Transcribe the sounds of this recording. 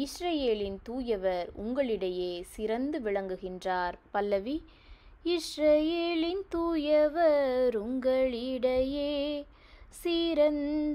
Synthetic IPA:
ɪsrɐjeːlɪnt̪uːjɐʋɐɾʊ̰ŋɡɐɭɪɽɐjeːsɪɾɐnd̪ɯʋɪɭɐŋɡɯɣɪndraːɾpɐlːɐʋi | ɪsɾɐjeːlɪnt̪uːjɐʋɐɾʊŋɡɐɭɪɽɐjeː | sɪɾɐn

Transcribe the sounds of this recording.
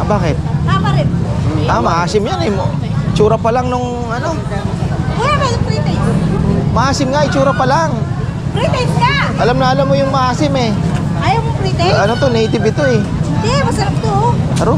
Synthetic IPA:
baːkɪt̪̚t̪aːmɐɾɛnamɐʔaːsɪmjanɛm | ɪt͡ʃuːɾɐpɐlaŋnʊŋ | ʔɐno̞ | wɐlamɛd̪oŋpɾit̪ɛj | mɐʔaːsɪmŋaʔɪt͡ʃuːɾɐpɐlaŋ | pɾit̪ɛjmŋaʔɐlamnɐʔɐlamːojʊŋmɐʔaːsɪmɛ | ʔajamʊpɾiːt̪ɛɐnot̪onejt̪ɪbɪt̪o̞ɛɪnd̪ɛmɐsɐɾap̚t̪oɐɾo

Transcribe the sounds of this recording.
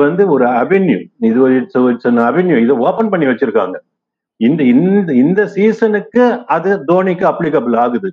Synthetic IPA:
ʋɐnd̪ɯɔɾɯɐʋɛnjṵɪðɯʋɐɪʈsɐʋɐsɔnːɐɐʋɛnjuɪðɐoːpɐnpɐɳːiʋɐt͡ʃːɯɾɯkːa̰ːŋɡɐ | ɪnd̪ɪnɪnd̪ɐsiːsɐnɯkːɯɐðɯd̪oːnɪkːɯɐpːlɪkɐbɯlaːɣɯðɯ

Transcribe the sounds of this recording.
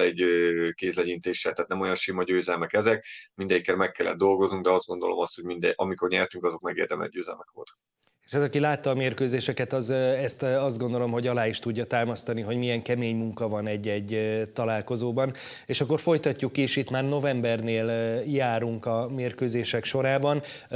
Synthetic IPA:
ɛɟøkeːzlɛɟint̪eːʃɛ̰lt̪ɛːt̪nɛmojɒnʃimɒɟøːzɛlmɛkɛzɛk̚mind̪ɛɟikːɛɾmɛkːɛlːɛ̰d̪d̪o̞lɡo̞znuŋɡd̪ɛɒzd̪ɡo̞nd̪o̞lo̞̰mɒst̪ho̞ɟmind̪ɛʔɒmiko̞rɲɛrt̪yŋkɒzo̞kmɛɡḛːrd̪ɛmɛ̰d̚ɟøːzɛ̰lmɛkʋo̞̰lt̪ɒ̥k | eːʃhat̪ɒkilaːt̪ːɒːmeːrkøːzeːʃɛkɛt̪ɒzɛst̪ɒzd̪ɡo̞nd̪o̞lo̞mɦo̞ɟɒlaːiʃt̪uɟːɒt̪aːmɒst̪ɒniɦo̞ɟmijɛŋkɛmeːɲmuŋkɒvɒnɛɟːɛɟːt̪ɒlaːlko̞zoːbɒn | eːʃɒkːo̞rfo̞jt̪ɒcːukːieʃit̪maːrno̞vɛmbɛrneːljaːɾuŋkɒmeːrkøːzeːʃɛkʃo̞ɾaːbɒn

